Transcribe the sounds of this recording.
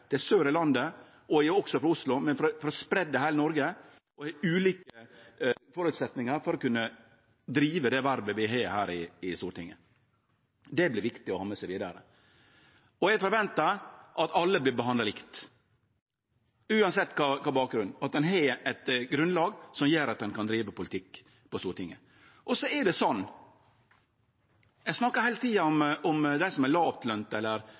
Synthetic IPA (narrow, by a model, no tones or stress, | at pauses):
t̪ʰɪlsøːɾəlɑnd̪ə | ɔɔksɔfɾɑʊslʊmɛnfɾfɔɾɔspɾɛd̪ːəɦæːɾnɔɾɡə | ɔhɛʉːliːkə | fɔɾʉːt̪sɛt̪nɪŋəɾfɔɾɔkʉnːə | d̪ɾiːʋəd̪ɛʋæɾbəʋɪɦeːhæːɾɪɪst̪uːɾʈʰɪŋːə̰ | d̪ɛblɪʋɪkt̪ɪɔhɑmːəsɛʋiːd̪ɑ̰ɾə̰ | ɔɛfɔɾʋɛnt̪ɑɾʔɑt̪ɑlːəblɪbəɦɑnd̪ɑlɪkt̪ | ʉːɑnsɛt̪ːkʰɑːkʰɑːbɑːk̚ɡɾʉnd̪ɑt̪̚d̪ɛnɦeɛt̪ɡɾʉnlɑːɡsɔmjøːɾɑt̪̚d̪ɛnkʰɑnd̪ɾiːʋəpʰʊlɪt̪ʰɪkː | pɔst̪uːɾʈɪŋːə | ʔɔsɔɛɖɛsɔnː | ɛɡsnɑkːəɾhæɪlət̪ʰiːɑɔmɔmd̪æɪsɔmɛlɑːʋt̪ʰlœnt̪ɛlːəɾ